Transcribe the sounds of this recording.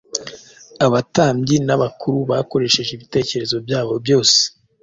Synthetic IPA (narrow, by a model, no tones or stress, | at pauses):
aβataːmɟinaβakuɾuβako̞ɾe̞ʃe̞ʒeiβite̞ːce̞ɾe̞zo̞bjaːβo̞bjo̞ːse̥